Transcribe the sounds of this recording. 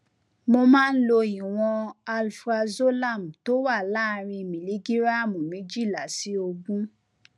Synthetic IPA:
mo˧mãː˦˧n̩˦lo˧i˨w̃ɔ̃˧a˧lfɾa˧zo˦la˦˨m̩˨to˦wa˦˨la˦˨˧ɾ̃ĩ˧mĩ˨li˨˦ɡi˦ɾa˦˨mũ˨mĩ˨˦d͡ʒi˦˨la̰˨si˨˦o˧ɡũ˦

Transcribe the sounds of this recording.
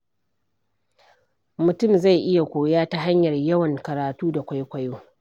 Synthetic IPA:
mʊ˨tʊ˦˨mza˦˨jʔɪ˦ja˨kʷoː˨jaː˦ta˦ɦa˦ɲjɐ˨rjɐ˦wɐ˨ŋkɐ˨ɾaː˨tuː˦da˨kʷa˦jkʷa˦joː˦

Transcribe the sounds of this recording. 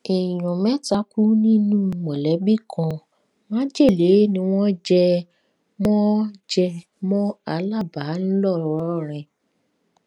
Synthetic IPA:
e˨j̃ɔ̃˨mɛ̃˦ta˦ku˦nĩ˦nũ˦mɔ̃˨lɛ˨˦bi˦˨kʰã˧ | mã˦d͡ʒe˦˨le˨˦nĩ˧w̃ɔ̃˦d͡ʒɛ˧ | mɔ̃˦d͡ʒɛ˧ | mɔ̃˦a˧˦la˦˨ba˨˦n̩˦lɔ˦˨ɾɔ˨ɾɔ˦˨ɾ̃ɛ̃˧

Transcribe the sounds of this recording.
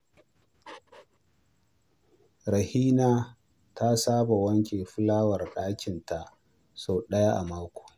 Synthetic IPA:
ɾɐ˨hiː˦naː˦ | tʰa˦saː˦ba˨wɐ˦ŋkʲeː˨ɸʊ˦laː˦wɐ˨rɗaː˦kʲɪ˨nta˨ʔ | soː˨ɗɐ˦ja˦ʔa˨maː˦kʷo̥ː˨

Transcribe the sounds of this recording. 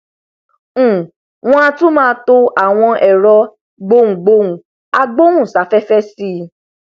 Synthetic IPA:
w̃ɔ̃˧˦a˧tũ˦mãː˦˧˦to˧a˨w̃ɔ̃˧ʔɛ˨ɾɔ˧ | ɡ͡bo˧ũ˨ɡ͡bo˧ũ˨ | a˧ɡ͡bo˦ũ˦˨sa˨˦fɛ˦fɛ˦si˦

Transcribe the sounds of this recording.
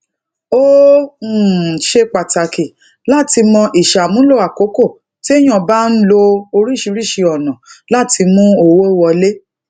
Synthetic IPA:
o˦˨ | ʃe˧k͡pa˨ta˨ki˨ | la˦˨ti˧mɔ̃˧ʔi˨ʃa˨mũ˦lo˦˨a˨ko˨˦ko˦˨ | ti˦e˦j̃ɔ̃˦˨ba˦n̩˦lo˧o˧ɾi˦˨ʃi˧ɾi˦˨ʃi˧ɔ˨nɔ̃˨la˦˨ti˧mũ˦o˨wo˦wɔ˧le˦

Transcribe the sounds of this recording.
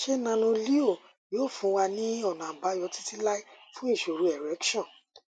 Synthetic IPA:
ʃe˦nã˧nũ˧li˦o˦˨ | joː˦˨fũ˨˦wa˧nĩ˦ɔ˦˨nã˨ba˨˦jɔ˨˧˦ti˦ti˦la˦i˦fũ˦i˦˨ʃo˨ɾu˨˦ɛ˨ɾɛ˨˦kʃɔ̃˦˨

